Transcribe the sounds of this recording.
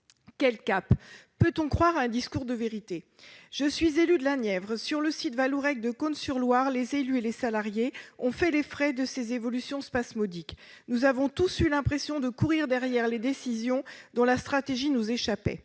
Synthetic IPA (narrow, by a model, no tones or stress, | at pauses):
kʲɛlkappːøt̪ɔ̃kχwaʁaɛ̃d̪iskuʁd̪əveʁit̪e | ʒ̥əsɥizelyd̪əlanjɛvʁsyʁləsit̪valuʁɛk̚d̪əkonsyʁlwaʁlezelyelesalaʁjeɔ̃fɛlefχɛd̪əsezevɔlysjɔ̃spasmɔd̪iknuzavɔ̃t̪usylɛ̃pχesjɔ̃d̪əkuʁiʁd̪ɛʁjɛʁled̪esizjɔ̃d̪ɔ̃last̪χat̪eʒinuzeʃapɛ̰